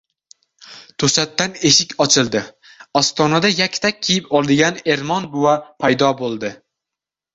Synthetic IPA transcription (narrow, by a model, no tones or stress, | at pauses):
t̪ʰɵsat̪ːane̞ʃɪkʲɒt͡ʃʰɪlˠd̪ɪ | ɒst̪ɒnad̪ajakʲʰːt̪ʰak̚ʲʰːijɪpʰɒlˠd̪ɪɡʲane̞ɾmɒnbʊwapʰajd̪ɒbolˠd̪ɪ